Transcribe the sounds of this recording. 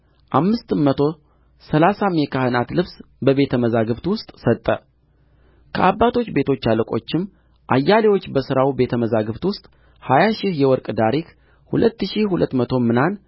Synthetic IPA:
ʔamːɨst̪mət̪ʰo̞ | səlasamekʰahɨnat̪lɨβs | bəβe̞t̪ʰəməzaɡɨβt̪wʊst̪ʼsət̪ʼːə | kʰəʔabːat̪ʰo̞t͡ʃːbe̞t̪ʰo̞t͡ʃːaləkʼo̞̰t͡ʃːɪm | ʔa̰jːalewo̞t͡ʃːbəsɨɾawibe̞t̪ʰəməzaɡɨβt̪wʊst̪ʼ | hajaʃɪhjɛwɔɾkʼd̪aɾik | hṵlət̪ːɨʃihulət̪ːmət̪ʰo̞mɨnan

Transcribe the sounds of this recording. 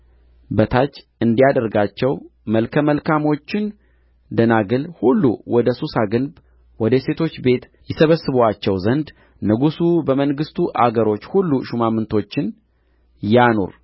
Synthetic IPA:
bət̪ʰat͡ʃː | ɨnd̪ijad̪əɾɡat͡ʃːɛwməlkʰəməlkʰamo̞t͡ʃːɪn | d̪ənaɡɨlhulːṵwɔd̪əsusaɡɨnb | wɔd̪əse̞t̪ʰo̞t͡ʃːbe̞t̪ | jɛsəβəsːɨβwat͡ʃːɛwzənd̪ | nɨɡusubəməŋɡɨst̪ʰuʔa̰ɡəɾo̞t͡ʃːhulːuʃumamːɨnt̪ʰo̞t͡ʃːɪn | jano̰ɾ

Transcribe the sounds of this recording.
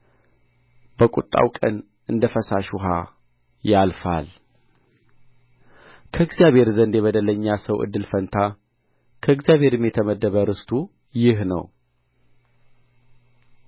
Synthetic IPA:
b̥əkʼut̪ʼːa̰wkʼə̰n | ɨnd̪əfəsaʃuɦa | jalfa̰l | kʰəɨɡzijaβhe̞ɾzənd̪jeβəd̪ələɲːasəwʔɨ̰d̪ːɨlfənt̪ʰa | kʰəɨɡzjaβhe̞ɾɨmjɛt̪ʰəməd̪ːəβəɾɨst̪ʰu | jɪɦnə̰w

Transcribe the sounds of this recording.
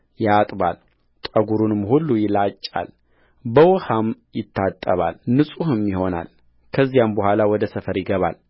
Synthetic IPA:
jat̪ʼba̰l | t̪ʼəɡuɾunɨmːhulːujɪlat͡ʃʼːa̰l | bəwɔhamjɪt̪ʰːat̪ʼːəβa̰lnɨsʼuhɨmjɪho̞na̰l | kʰəzːijambəhʷalawɔd̪əsəfəɾjɪɡəβa̰l

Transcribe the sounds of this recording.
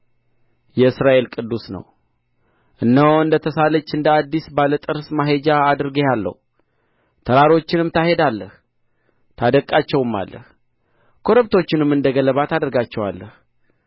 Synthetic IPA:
jɛɨsɾaʔe̞lkʼɨd̪ːusnə̰w | ʔɨnːəwɨnd̪ət̪ʰəsalət͡ʃːɨnd̪əad̪ːisbalət̪ʼɨɾsmaɦed͡ʒaːd̪ɨɾɡejalːə̰h | t̪ʰəɾaɾo̞t͡ʃːɪnɨmt̪ʰahe̞d̪alːəh | t̪ʰad̪əkʼːat͡ʃːɛwɨmːa̰lːə̰h | kʰo̞ɾəbt̪ʰo̞t͡ʃːɪnɨmːɨnd̪əɡələβat̪ad̪əɾɡat͡ʃːɛwa̰lːəh

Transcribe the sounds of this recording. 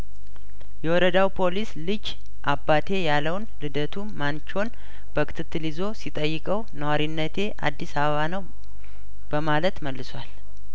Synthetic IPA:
jɛwɔɾəd̪awpʰo̞lislɨd͡ʒ | ʔabːat̪ʰe̞jaləwnlɨd̪ət̪ʰumant͡ʃo̞n | b̥əkʰʼɨ̥t̪ʰɨt̪ːɨlizo̞sit̪ʼəjːɨkʼəwnəwaɾinːət̪ʰe̞ʔa̰d̪ːisaβəβanəw | b̥əmalət̪məlːɨswal

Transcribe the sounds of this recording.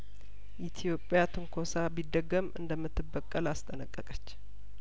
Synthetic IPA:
ʔit̪ʰjo̞pʼjat̪ʰɨŋkʰo̞sabid̪ːəɡəmɨ̰nd̪əmːɨt̪ːɨbːəkʼːəlast̪ʼənəkʼːəkʼət͡ʃː

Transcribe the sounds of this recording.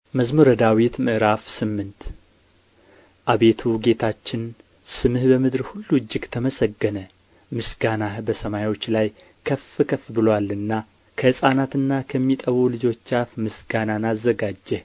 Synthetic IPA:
məzmoɾəd̪awit̪mɨʔɾafsɨmːɨnt̪ | ʔaβe̞t̪ʰuɡe̞t̪ʰat͡ʃːɪn | sɨmɨhbəmɨd̪ɾhulːuɨd͡ʒːɪɡt̪ʰəməsəɡːənə | mɨsɡanahbəsəmajwo̞t͡ʃːlaj | kʰəfɨkʰəfbɨlwalɨnːa | kʰəhɨsʼanat̪ɨnːakʰəmːit̪ʼəβulɨd͡ʒo̞t͡ʃːafmɨsɡananazːəɡad͡ʒːɛ

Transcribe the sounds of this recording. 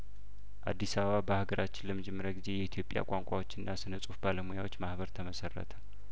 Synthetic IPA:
ʔa̰d̪ːisaβəβabəhaɡəɾʔat͡ʃːɪnləmɨd͡ʒɪmːɨɾət̪ɡize̞jɛit̪ʰjo̞pʼja̰kʷʼaŋkʷʼawo̞t͡ʃːɨnːasɨnəsʼufbaləmujawot͡ʃːmahβəɾt̪ʰəməsərːə̰t̪ʰə̥

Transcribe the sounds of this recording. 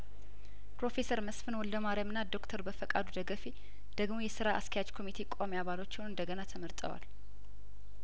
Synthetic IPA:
pɾo̞fe̞səɾməsfɨnwɔld̪əmaɾamɨnːad̪o̞kt̪ʰəɾbəfəkʼad̪ud̪əɡəfe | d̪̥əɡmo̞jɛsɨɾaʔa̰skʰəjad͡ʒkʰo̞mit̪ʰekʼomaβalo̞t͡ʃːɪwnɨnd̪əɡənat̪ʰəməɾt̪ʼə̰wa̰l

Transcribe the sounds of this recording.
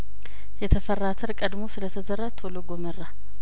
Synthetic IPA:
jɛt̪ʰəfərːat̪ʰəɾkʼəd̪mo̞sɨlət̪ʰəzəɾːat̪ʰoloɡomərːa

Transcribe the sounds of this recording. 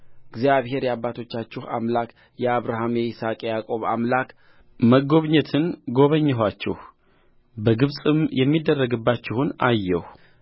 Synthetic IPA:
ɨɡzjaβhe̞ɾjabːat̪ʰo̞t͡ʃːat͡ʃːɪha̰mlak | jɛaβɾaɦamjɛɪsakʼejakʼo̞βa̰mlak | məɡoβɲɛt̪ʰɨnɡo̞βəɲːɛɦwat͡ʃːɪ̰h | bəɡɨβsʼɨmjɛmːid̪ːərːəɡɨbːat͡ʃːɪhunajːɛh

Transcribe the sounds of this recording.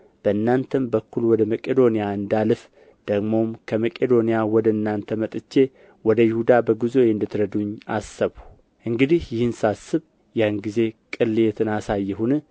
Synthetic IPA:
b̥əɨnːant̪ʰəmbəkʰːulwɔd̪əməkʼed̪o̞nijaɨnd̪alɨf | d̪̥əɡmo̞mkʰəməkʼed̪o̞nijawɔd̪əɨnːant̪ʰəmət̪ʼɨt͡ʃːe̞ | wɔd̪əjɪhud̪abəɡuzo̞jɨnd̪ɨt̪ʰɾəd̪uɲːasːəβu | ʔɨŋɡɨd̪ihjɪhɨnsasːɨβ | janɡize̞kʼɨlːjet̪ʰɨnasajːɛɦunɨ

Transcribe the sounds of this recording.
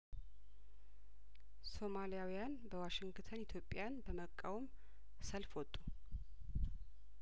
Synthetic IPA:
so̞malijawijanbəwaʃɪŋɡɡt̪ʰənit̪ʰjo̞pʼːjanbəməkʼːawɔm | səlfwɔt̪ʼːu

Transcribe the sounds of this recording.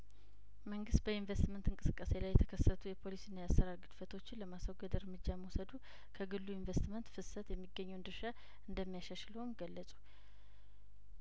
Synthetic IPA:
məŋɡɨst̪̚bəinvest̪mənt̪ɨŋkʼɨsɨkʼːase̞lajɛt̪ʰəkʰəsːət̪ʰujɛpʰo̞lisinːajasːəɾaɾɡɨd̪̥fət̪ʰo̞t͡ʃːɪnləmasawɡəd̪ɨɾmɨd͡ʒːaməwusəd̪u | kʰəɡɨlːuinvest̪mənt̪fɨsət̪jɛmːiɡːəɲːuwnd̪ɨɾʃa | ɨnd̪əmːijaʃaʃləwumɡəlːəsʼu̥

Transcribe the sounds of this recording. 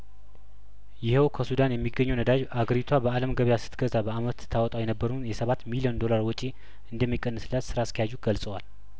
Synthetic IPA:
jɪhɛwkʰəsud̪anjɛmːiɡːəɲːɛwnəd̪ad͡ʒaɡəɾit̪ʰwabəaləmɡəβjasɨ̥t̪ɡəzabəamət̪ʰːawɔt̪ʼawjɛnəbːəɾunjɛsəβat̪miliɛnd̪o̞laɾwɔt͡ʃʼi | ɨnd̪əmːikʼːənːɨsɨlːat̪sɨɾaskʰəjaʒuɡ̥əlsʼəwal

